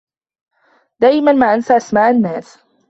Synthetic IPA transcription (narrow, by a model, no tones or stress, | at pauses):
d̪aːʔɪmanmaːʔansaʔasmaːʔanːaːs